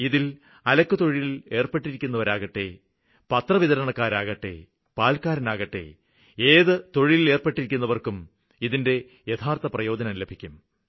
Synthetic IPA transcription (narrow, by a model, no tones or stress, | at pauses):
iðil | ɐlɐkːut̪o̞ɻijile̞ːrpeʈːiɾikʲːun̪ːɐʋɐɾaːɣɐʈːe̞̰ | pɐt̪rɐʋiðɐɾɐɳɐkːaːɾaːɣɐʈːe̞̰ | paːlkaːɾɐnaːɣɐʈːe̞̰ | eːðɨt̪o̞ɻijile̞ːrpeʈːiɾikʲːunːɐʋɐrkum | iðinde̞ | jɐt̪ʰaːrt̪ɐprɐjo̞ːd͡ʑɐnɐmlebʱikʲːum